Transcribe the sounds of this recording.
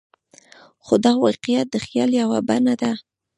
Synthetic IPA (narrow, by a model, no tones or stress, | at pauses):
xod̪aɣawɑqijat̪̚d̪əxjɑljawabanad̪a